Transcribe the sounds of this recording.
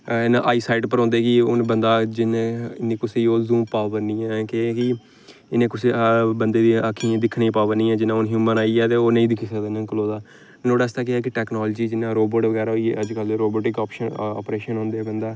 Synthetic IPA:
ɪnã̰ːʔaːiːsaːiɖpəɾɔ̃ːnd̪eːkɪʊnbənd̪aːd͡ʒɪnːɪnẽːkʊseoːzũːmpaːʋəɾnĩːɛːkekɪ | ɪnẽːkʊseːbənd̪eːʋiakʰĩːd̪ɪkʰnĩːpaːʋəɾnĩːɛːd͡ʒɪnːãːʊnɦjuːmənaːiːɛːt̪eːoːnəĩːd̪ɪkʰːisəd̪enə̃kloːd̪aː | noːɽaːɪst̪aːk̬ɪɛːk̬ɪʈɛːknoːld͡ʒiːd͡ʒɪnãːɾoːboːʈʋəɡɛːɾaːoiəd͡ʒkəlɾoːboːʈɪkaːpʃənɔ̰ːpɾeːʃənɦõːnd̪eːbənd̪aː

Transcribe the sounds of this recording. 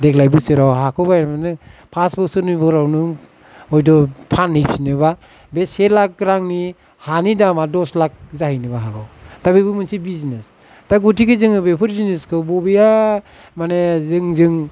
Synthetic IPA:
dek̚ʰlajbɯsɯɾawɦakʰɯwbajɾmanɯpʰasbɯsɯɾnɯbɯɾawnɯ | ɔjdɔpʰanhipsinɯba | beselak̚ːɾaŋni | hanidamadɔslak̚zahijnɯbaɦakʰɯwtabibɯmɯnsibizines | taɡutʰikɯzɯŋɯbepʰɯɾzineskʰɯbɔbija | manezɯŋzɯŋ

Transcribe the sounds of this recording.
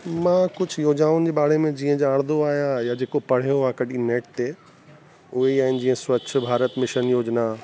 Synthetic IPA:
mãːkʊd͡ʑʱjoːd͡ʑaːʋʊnɪ̆d͡ʑeːɓaːɽemẽd͡ʑĩːə̃d͡ʑaːɽ̃d̪oaːɦijãjad͡ʑeːkopɐɽ̤ijoʋãkɐɗineːʈ̚t̪e | ʊɦeiaːɦɪnɪ̆d͡ʑĩːə̃swɐt͡ɕʰʊbʱaːɾət̪mɪʃənjoːd͡ʑna

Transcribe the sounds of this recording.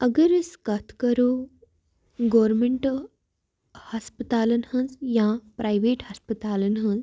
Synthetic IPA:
əɡəɾəskat̪ʰkəɾo | ɡɔʋɾmeɳʈ | haspət̪aːlənhə̃nd͡zjãpɾʔajʋeʈhaspət̪aːlənɦə̃nd͡z

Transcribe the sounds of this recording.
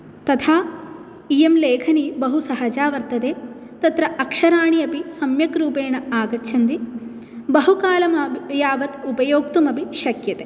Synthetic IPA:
t̪ɐt̪ʰaː | ijemleːkʰɐnibɐɦusɐɦɐd͡ʒaːʋɐɾt̪ɐd̪eː | t̪ɐt̪ɾɐɐkʂɐɾaːɳiɐpisɐmjɐkɾuːpeːɳɐaːɡɐtːt͡ʃʰɐnd̪i | bɐɦukaːlɐmɐjaːʋɐt̪upɐjoːk̚t̪umɐbiʃɐkjɐt̪eː

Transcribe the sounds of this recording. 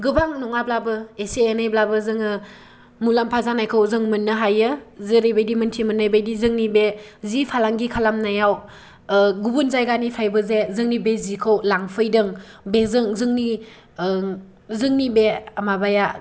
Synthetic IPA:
ɡɯbaŋnɔŋablabɯeseenajblabɯzɯŋɯ | mulampʰazanajkʰəwzɯŋmɯnːɯɦajɯzɯɾebajdimɯntʰimɯnːajbajdizɯŋnibezipʰalaŋɡikʰalamnajaw | ɡubunzajɡanipʰajbɯzezɯŋnibezikʰɯwlaŋpʰɯjdɯŋbezɯŋzɯŋni | zɯŋnibeamabaja

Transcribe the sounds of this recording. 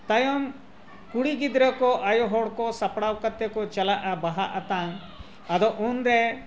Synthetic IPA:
t̪ajɔm | kuɽiɡid̪ɾəkɔʔajɔɦɔɽkɔsapɽawkat̪ːɛkɔt͡ʃalaʔabaɦaʔat̪aŋ | ɐd̪ɔʔunɾɛ

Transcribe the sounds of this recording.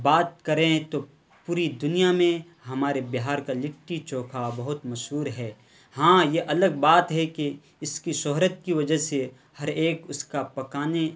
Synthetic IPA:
baːt̪̚kɐɾẽt̪o | puːɾid̪ʊnijamẽ | ɦɐmaːɾebɪɦaːɾkalɪʈʈːit͡ʃõːkʰabɐɦʊt̪mɐʃɦuːɾɦɛː | hãːjeʔɐləɡ̚baːt̪ɦɛke | ɪskiʃɔɦɾət̪̚kiʋɐd͡ʒəse | hɐɾeːkʊskapɐkaːne

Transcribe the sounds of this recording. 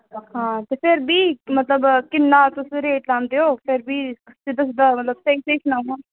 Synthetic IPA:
hãːt̪epʰɪɾbʱiːmɐt̪ləbkɪnːaːt̪ʊsɾeːʈlãːnd̪eoːpʰɪɾbʱiːsɪd̪əs̬d̪əmɐt̪ləb̚seiseːknaːũã

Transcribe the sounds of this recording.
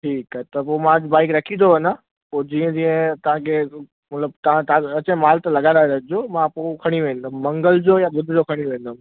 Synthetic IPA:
ʈʰiːkət̪ɐpoːmãd͡ʑbaːɪkɾɐkʰĩd̪ʰoʋɐnə | poːd͡ʑiːə̃d͡ʑiə̃t̪ɐʋ̤ãkʰe | mɐt̪ləbt̪ɐʋ̤ãt̪ɐt͡ɕẽmaːlt̪ɐlɐɡãaɦed͡ʑoːmãpoːkʰɐɽ̃iʋẽːnd̪əmːɐ̃ŋɡəld͡ʑoːjabʊd̪ʱɪd͡ʑokʰɐɽ̃iʋẽːn̆d̪əm

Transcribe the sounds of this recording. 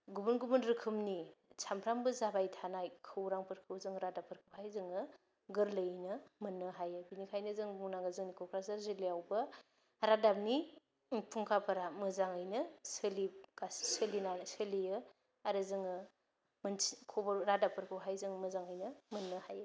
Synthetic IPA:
ɡubunɡubunɾɯkʰɯmnisʰampʰɾambɯzabajtʰanajkʰɯwɾaŋpʰɯɾkʰɯwzɯŋɾadapʰɯɾkʰɯwɦajzɯŋɯ | ɡɯɾləjnɐmɐnːɯɦajɯbinikʰajnɐzɯŋbuŋnaɡɯzɯŋnikʰokʰɾasaɾzilejawbɐ | ɾadap̚ni | pʰuŋkʰapʰɐɾamɐzaŋɯjnɐsɯliɡassəlinansɯliɯ | aɾɯzɯŋɯ | mɐnsikʰobɐɾadapʰɯɾkʰɯwɦajzɯŋmɐzaŋəjnɐmɐnːɯhajɯ

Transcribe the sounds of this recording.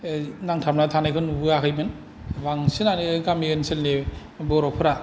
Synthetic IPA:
naŋtʰap̚natʰanajkʰɯnubɯakʰɯjbɯn | baŋsɯnanɯɡamiɡɯnsɯlne | bɔɾɔpʰɯɾa

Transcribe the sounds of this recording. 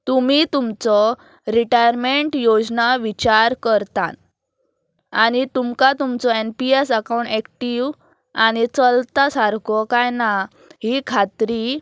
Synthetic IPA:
t̪umit̪umt͡sɔ | ɾiʈajəɾmeɳʈjod͡znaʋit͡ɕaɾkəɾt̪a̰ | añit̪umkat̪umt͡sɔenpiesəkaw̃ɳʈɛkʈiʋ | añit͡səlt̪asaɾkɔkajna | ɦikʰat̪ɾi

